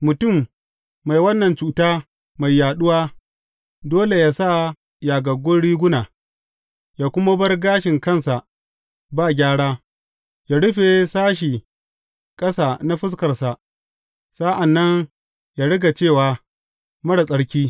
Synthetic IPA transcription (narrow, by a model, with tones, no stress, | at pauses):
mʊ˨tʊ˦˨mː | a˨jwɐ˦nːɐ˨nt͡ʃuː˨taː˦ | ma˨jːaː˨ɗʊ˦waː˦ | doː˦le˨jaː˦sa˦˨ | jaː˨ɡɐ˨ɡʷʊ˦nɽiː˦ɡʷʊ˦naː˨ | jaː˨kʷʊ˦ma˦bɐ˦rɡaː˦ʃɪ˨ŋkɐ˦˨nsa˨ | baː˦˨ɡʲaː˦ɽaː˦ | jaː˨ɽʊ˦ɸe˨saː˦ʃ̬i˨ | kʼɐ˦saː˨na˦ɸɪ˦s̬kɐ˨rsa˨ʔ | sa˦ʔa˨nːɐ˦ŋ | jaː˨ɽɪ˦ɡa˨t͡ʃeː˦˨waː˨ | mɐ˦ɽa˨sʼɐ˦ɽkʲiː˦